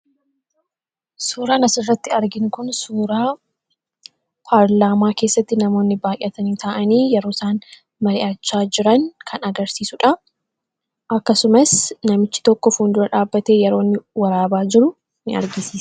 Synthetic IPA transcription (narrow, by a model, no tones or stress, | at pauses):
suːɾaːnɐsɪrːɐt̪ːɪɐɾɡɪŋkʊnsuːɾaː | pʰaːɾlaːmaːke̞ːsːɐt̪ːɪnɐmo̞ːnːɪbaːjʔɐt̪ɐnit̪ʰaʔɐniːjɛɾoːsaːn | mɐɾɪʔaːt͡ʃːaːd͡ʒɪɾɐŋkʰɐnɐɡɐɾsiːsʊᶑɐ | ʔɐkːɐsʊmɐsnɐmɪt͡ʃːɪ̥t̪ɔkːɔfuːnd̪ʊɾɐᶑaːbːɐt̪e̞ːjɛɾo̞ːnːɪwɐɾaːbaːd͡ʒɪɾʊ | nɪʔɐ̰ɾɡɪsiːs